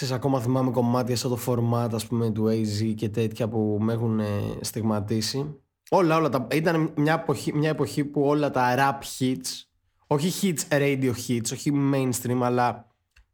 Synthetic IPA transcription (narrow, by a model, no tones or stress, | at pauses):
sesɐko̞mɐθimɐmeko̞mɐt̪çɐft̪o̞t̪ofo̞ɾmɐt̪ɐspume̞t̪uejzice̞t̪e̞t̪çɐpume̞xunest̪iɣmɐt̪isi | o̞lɐo̞lɐt̪ɐit̪ɐnmɲɐepo̞çimɲɐepo̞çipuo̞lɐt̪ɐɾɐpçit̪s | o̞çiçit̪t͡sɾejd̪io̞çit̪so̞çime̞jnst̪ɾimɐlɐ